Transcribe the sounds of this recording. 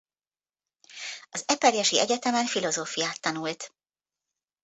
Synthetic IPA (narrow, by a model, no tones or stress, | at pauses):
ɒzɛpɛɾjɛʃiʔɛɟɛt̪ɛmɛnfilo̞zoːfijaːt̪ːɒnult̪